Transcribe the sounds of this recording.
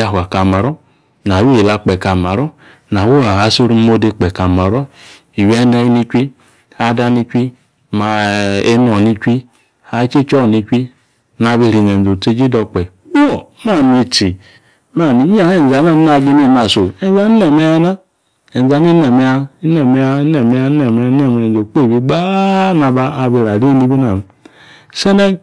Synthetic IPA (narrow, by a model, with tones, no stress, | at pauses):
ja˨ɦa˨ka˨ma˨ɾɔ˦ | n˨a˨wi˦i˨la˨˧k͡pɛ˨ka˨ma˨ɾɔ˦ | n˨a˨wo˦a˨a˨˦so˦ɾu˦mo˦de˧k͡pɛ˨ka˨ma˨ɾo˦ | i˨we˦ne˦ni˦t͡ʃʷi˦ | a˨˦da˦ni˧t͡ʃʷi˦ | ma˨e˦n˦o˨ni˧t͡ʃʷi˦ | ha˨˦t͡ʃe˦t͡ʃɔ˦˨ni˧kʷi˦ | na˨βe˦ɾi˨ne˨n˨o˨te˦d͡ʒi˦dɔ˨k͡pɛ˨ | wo˨˦ma˦˨mi˨ti˨˦ | ma˦˨ni˨˦a˦he˦˨n˨za˨na˦a˨ɡi˦ni˦˨na˨so˨e˦n˦za˦n˦ne˨me˦ja˦na˦ | e˨n˨a˨ni˦ne˨me˨a˦i˦ne˨me˨a˦ne˨me˨˦a˦ne˨me˨a˦e˦˨m˨o˨k͡pe˦˨bi˦ɡ͡ba˦na˨ba˦a˨bi˨ɾa˨ɾi˦ni˦bi˦na˨m˨ | se˦ne˦